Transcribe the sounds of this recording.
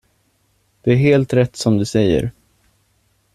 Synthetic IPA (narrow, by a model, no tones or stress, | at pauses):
d̪̥ɵæɾɦeːlt̪ɾɛt̪ːsɔmd̪ɵsɛjːə̰ɾ